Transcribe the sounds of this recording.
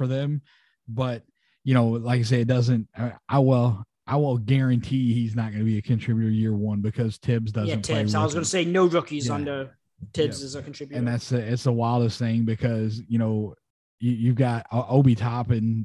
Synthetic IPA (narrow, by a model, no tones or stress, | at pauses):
fə˞ðɨ̃m | b̥ʌt̚ | jɨñoʊlaɪkaɪs̬eɪɨt̚dʌzɨ̃nt̚ʔaɪwɪlˠ | ʔaɪwɪlˠɡɛɹɨ̃ntʰihiznət̚ɡ̥ʌnəɨbiɨkʰɨ̃ntʰɹ̥ɪbjʉɾə˞jɪɹwʌ̃nbɨkʰʌz̥tʰɪbzdʌzj̃nptʰɪeɪaɪwʌzɡʌnəseɪnoʊdɹʌkizʌ̃ndə˞ | tʰɪbzɨzəkn̩ʰɹ̥ɪbjɨ̃nðætsɨɪtsəwaɪlˠʌsθɪɪ̃ŋbɨkʰʌzjɨñoʊ | jɨjʉvɡɑɾʔoʊbitʰɑpɨ̃n